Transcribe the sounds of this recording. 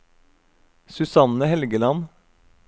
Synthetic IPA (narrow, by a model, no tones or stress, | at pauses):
sʉsɑnəhɛlɡəlɑn